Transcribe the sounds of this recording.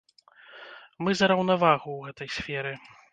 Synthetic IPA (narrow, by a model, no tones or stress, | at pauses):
mɨzɐɾɐwnavaɣuwɣɛt̪ɐjsʲfʲɛɾɨ